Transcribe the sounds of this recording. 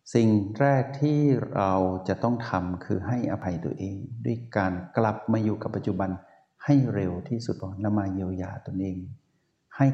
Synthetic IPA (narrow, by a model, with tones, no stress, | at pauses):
si˨˩ŋɾɛː˥˩k̚t̪ʰiː˥˩ɾa˧wt͡ɕa˨˩ʔt̪ɔ˥˩ŋt̪ʰa˧mkʰɯː˧ɦa˥˩jʔaː˧pʰa˧jt̪ṵ˧˩ɐ˦ʔeː˧ŋdu˥˩əjkaː˧nkla˨˩p̚maː˧juː˨˩ka˨˩pːa˧t̪̚t͡ɕu˧˩ba˧n | ha˥˩jɾe˧wt̪ʰiː˥˩su˨˩t̪̚ːɔː˧˩nla˧˥˩maː˧ji˧ə˧wjaː˧t̪o˧nʔeː˧ŋ | ha˥˩j